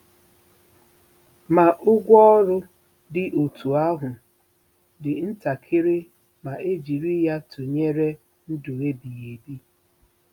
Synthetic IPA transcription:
ma˨ʔʊ˦ɡʷɔ˦ɔ˦ɾʊ˦ | dɪ˨ʔo˨tʰu˨a˦ɦʊ˨ | dɪ˨n̩˦ta˨kʰɪ˦ɾɪ˦ | ma˨e˦d͡ʒi˨ɾi˦ja˦tʰʊ˨ɲe˦ɾe˦ | n̩˦dʊ˨ɣe˦bi˨ɣe˨bi˦

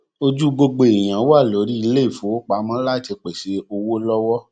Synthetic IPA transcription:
o˧d͡ʒu˦ɡ͡bo˧ɡ͡be˧˨i˨j̃ã˨o˦a˦˨lo˨˦ɾi˦i˧le˦i˦˨fũ˨˦wo˦k͡pa˨˦mã˦la˦˨te˧k͡pe˨ʃe˨˦o˧wo˦lɔ˦wɔ˦

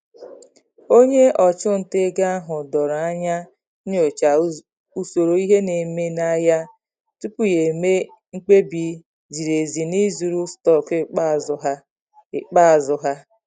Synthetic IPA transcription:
o˦ɲe˦ʔɔ˨t͡ʃʊ˦n̩˨te˦ɡa˦a˦ɦʊ˨dɔ˨ɾa˦ɲa˦ | ɲ˦o˨t͡ʃa˨ | u˨so˨ɾo˨i˦ɦe˦ne˨me˦na˦ja˦ | tu˦pu˦je˨me˦ | ŋ͡m̩˦k͡pe˦bi˨˦ | d͡ʒi˨ɾe˨zi˨ni˦zu˨ɾu˦stɔ˦˨kɪ˦k͡pa˦˨zʊ˨˦ɦa˦ | ɪ˨k͡pa˦a˨zʊ˨ɦa˦

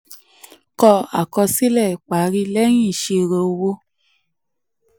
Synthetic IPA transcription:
kɔ˧a˨kɔ˧si˦lɛ˦˨i˨k͡pa˨˦ɾi˧˦lɛ˦j̃ĩ˦˨ʃe˧˨ɾo˧o˧wo˧

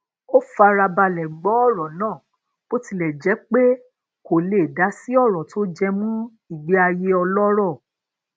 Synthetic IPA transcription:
o˦fa˧ɾa˧ba˧lɛ˨ɡ͡bɔ˨˦ɔ˦˨ɾɔ˨nãː˦˨ | k͡po˦ti˧˨lɛ˨d͡ʒɛ˨˦k͡pe˦ | ko˨le˨da˨˦si˦ɔ˦˨ɾɔ˨tʰo˦d͡ʒɛ˧mũ˦ | i˨ɡ͡bi˦a˧je˧˦ɔ˧lɔ˦ɾɔ˦˨

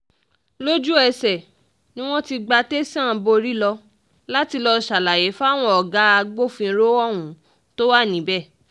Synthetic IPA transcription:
lo˦d͡ʒu˦ɛ˧sɛ˨ | nĩ˦w̃ɔ̃˦ti˧ɡ͡ba˧te˦sã˦˨˧bo˧ɾi˦lɔ˧ | la˦ti˧lɔ˧ʃa˨la˨je˨˦fa˦˨w̃ɔ̃˧ɔ˨ɡa˨˦a˧ɡ͡bo˦˨fĩ˧ɾo˦ɔ˦˨wũ˨˦ | to˦wa˦˨nĩ˨˦bɛ˦˨

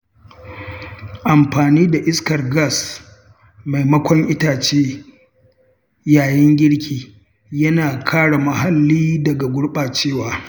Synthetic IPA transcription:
ʔa˨mɸaː˨niː˦da˨ʔɪ˦skɐ˨rɡa˦˨s | ma˨jmɐ˦kʷɔ˦ŋʔɪ˦taː˨t͡ʃeː˦ | jaː˨jɛ˦ŋɡʲɪ˦ɽkʲiː˨ | jɐ˦naː˨kʰaː˦ɽa˨ma˨ha˨lːiː˦dɐ˨ɡa˨ɡʷʊ˦ɽɓaː˨t͡ʃeː˦˨waː˨

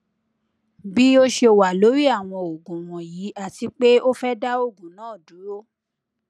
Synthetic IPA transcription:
bi˦o˦ʃe˧o˨wa˨lo˨˦ɾi˦a˦˨w̃ɔ̃˧o˨ɡũ˨w̃ɔ̃˨ji˨˦ʔa˦˨ti˧k͡pe˦o˦fɛ˦da˦o˦˨ɡũ˨nãː˦˨du˨˦ɾo˦

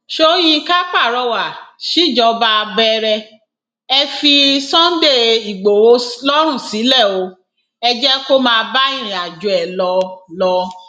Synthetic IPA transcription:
ʃo˦j̃ĩ˧ka˦k͡pa˦˨ɾɔ˧wa˨ʃi˨˦˨d͡ʒɔ˧ba˧bɛ˧ɾɛ˧ | ɛ˧fi˧sɔ̃˦n̩˦de˦˨i˨ɡ͡bo˨wo˧˦lɔ˦ɾũ˦˨si˨˦lɛ˦˨o˨˧˦ | ɛ˧d͡ʒɛ˦ko˦mãː˧ba˦i˦˨ɾ̃ĩ˨a˨d͡ʒu˨ɛ˨lɔ˧˦lɔ˧˦

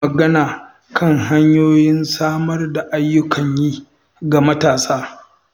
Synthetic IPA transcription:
ɐ˨ɡɐ˦naː˨ | kʰɐ˦˨ŋɦa˦ɲjoː˦jɪ˦nsaː˦mɐ˦rda˨ʔa˦jːʊ˦kʰɐ˨ɲjiː˦ | ɡa˨mɐ˦taː˨saː˦

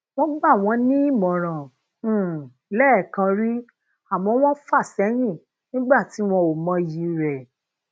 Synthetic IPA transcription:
w̃ɔ̃˦ɡ͡ba˦˨w̃ɔ̃˧nĩ˦i˦mɔ̃˨ɾ̃ã˨˦˨ | lɛ˦˨kã˧ɾi˦ | a˨mɔ̃˧˦w̃ɔ̃˦fa˦˨sɛ˨˦j̃ĩ˦˨ | nĩ˦ɡ͡ba˦˨ti˨˦w̃ɔ̃˧o˨mã˧˦ji˧˦ɾɛ˨

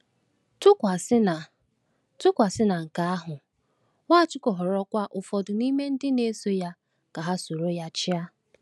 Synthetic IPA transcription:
tʊ˦kʷa˨sɪ˦na˨ | tʊ˦kʷa˨sɪ˦na˨ŋ̩˨ka˨a˦ɦʊ˨ | ŋʷaː˦˨t͡ʃʊ˦kɔ˨ɦɔ˨ɾɔ˦kʷa˦ʔʊ˨fɔ˨dʊ˨ni˦me˦n̩˦dɪ˦ne˦so˦ja˦ | ka˨ɦa˦so˨ɾo˦ja˦t͡ʃɪ˦a˦

